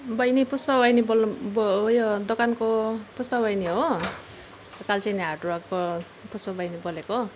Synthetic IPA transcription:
bʌjnipuspabʌjnibolbjod̪okankopuspabʌjniɦo | kalt͡sʰajniɦaʈruakko | puspʌbʌjniboleko

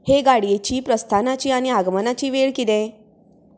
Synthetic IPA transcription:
heɡaɽijet͡ɕiːpɾəst̪ʰanat͡ɕiːaɽ̃iaɡmənat͡ɕiːʋeɭkid̪ẽ

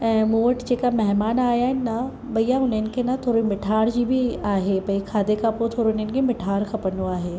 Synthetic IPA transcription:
moːəʈt͡ʃekamɛɦmaːnaːjanɐ | bɐjːaʊnẽnkenɐt̪ʰoːɾimɪʈʰaːɾd͡ʒibʱiaːɦebɐikʰaːd̪ekapot̪ʰoːɾonenkemɪʈʰaːɾkʰɐpənuaːɦe

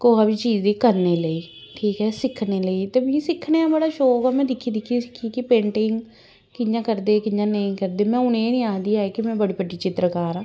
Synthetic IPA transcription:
koːaːbiːt͡ʃiːd͡ʒd̪iːkəɾneːləiːʈʰiːkɦɛːsɪkʰneːləiːt̪eːmĩːsɪkʰːneːãːbəɽaːʃoːkaːmɛ̃ːd̪ɪkʰːiːd̪ɪkʰisɪkʰːiːkɪpẽːɳʈɪŋɡ | kɪjãːkəɾd̪eːkɪjãːnəĩːkəɾd̪eːmɛ̃ːʊnẽːnĩːaːd̪iːaːekɪmɛ̃ːbəɽiːpəʈiːt͡ʃɪt̪ɾəkaːɾãː

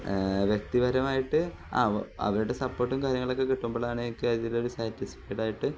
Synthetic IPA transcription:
ʋjek̚t̪iʋɐɾɐmaːjiʈːɨ | a̰ːɐ̰ʋɐɾuɽe̞sɐpːo̞ːrʈːumkaːɾjɐŋːɐɭokːe̞kiʈːumboːɭaːɳɨkːeːðileoɾusɐrtːifi̥kːeːʈːaːjiʈːɨ

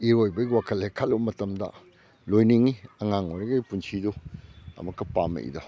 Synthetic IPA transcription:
iɾojbɐɡiwakʰɐlhekʰɐlːumɐtɐmdɐ̰ | lojniŋiɐŋaŋojɾɐɡɐipunsʰiduɐ̰mɐkːɐpamḛʔḭdo

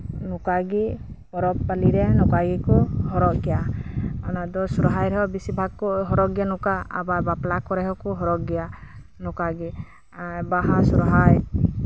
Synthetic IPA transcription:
nukaɡi | pɔɾɔpːaliɾɛnɔkaɡikɔhɔɾɔɡijaɔnad̪ɔsɔɾɔɦajɾɛɦɔbisibʱaɡ̚kɔɦɔɾɔɡijanuka̰ːbabaplakɔɾɛɦɔkɔɦɔɾɔɡijanɔkaɡi | baɦasɔɾɔɦaj

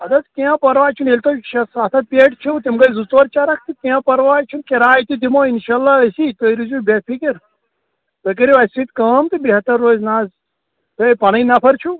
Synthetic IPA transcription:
ɐd̪ɐt̪kẽãpɐɾʋaːt͡ʃʰunelʲt̪oʃɐsaːt̪ʰɐt̪̚pʲeʈt͡ʃʰut̪imɡɐjzut͡sʋɐɾt͡ʃaɾɐk̚ʰt̪ikẽãpɐɾʋaːjt͡ʃʰunkeɾaːjt̪it̪imoinʃalːaɐsit̪oiɾizubepʰikiɾ | t̪ɐkiɾiʋɐsit̪kɐːmt̪ibeɦɐt̪ːɐɾːoːznaːz | t̪ɐpɐɽɐinɐpʰɐɾt͡ʃʰu

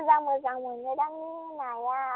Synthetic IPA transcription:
zaŋmozaŋmunedaminaja

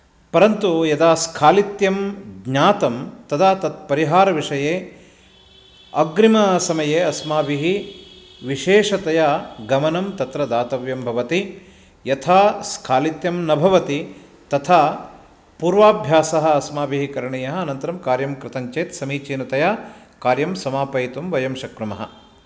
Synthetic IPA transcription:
pɐɾɐnt̪ujɐd̪aːskʰaːlit̪jɐmɡɲaːt̪ɐmt̪ɐd̪ʰaːt̪ɐt̪̚pɐɾiɦaːɾɐʋiʂɐjeː | ɐ̰ɡɾimɐsɐmɐjeːɐsmaːbiɦi | ʋiʃeːʂɐt̪ɐjaɡɐmɐnɐmt̪ɐt̪ɾɐd̪aːt̪ɐʋjɐmbʱɐʋɐt̪i | jɐt̪ʰaːskʰaːlit̪jɐmnɐbʱɐʋɐt̪i | t̪ɐt̪ʰaː | puːɾʋaːbʱjaːsɐɦɐ̆ɐsmaːbiɦikɐɾɐɳijɐɦɐ̆ɐːnɐnt̪ɐɾɐmkaːɾjɐmkɾɪt̪ɐɲt͡ʃeːt̪sɐmiːt͡ʃiːnɐt̪ɐjakaːɾjɐmsɐmaːpɐjit̪umʋɐjɐmʃɐkɾɐmɐɦɐ̰

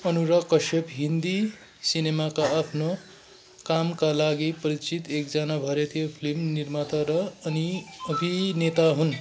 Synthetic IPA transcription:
ʌnuɾʌkʌsepɦind̪i | sinemakaːpʰno | kamkalaɡipʌɾit͡sit̪ek̚d͡zanabʱʌɾet̪jopʰilimnirmat̪ʌɾʌʌniʌbʱinet̪aɦun

